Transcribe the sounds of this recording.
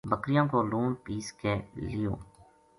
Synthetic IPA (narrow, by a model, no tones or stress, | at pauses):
bəkɾɪjãːkoːluːnpiːskeːlijõ̰ː